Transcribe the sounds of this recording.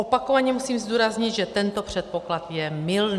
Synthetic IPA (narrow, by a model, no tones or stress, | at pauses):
opakovaɲɛmusiːmzd̪uːɾazɲɪd̪ʒɛt̪ɛnt̪o̞pr̝̥ɛt̪̚po̞klat̪jɛmɪln